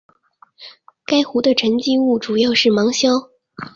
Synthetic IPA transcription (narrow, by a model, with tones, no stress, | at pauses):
ka˥ɪxu˧˥d̪ə˧ʈ͡ʂʰə˧˥ŋt͡ɕi˥u˥˩ʈ͡ʂu˨˩jɑ˥˧ʊʂɻ̩˥˩mɑ˧˥ŋɕjɑ˥ʊ